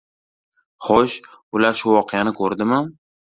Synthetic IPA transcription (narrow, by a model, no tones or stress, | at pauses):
χɔʃ | ʊlaɾʃʊwɒqʰejanɪkʰɵɾd̪ɪmɪ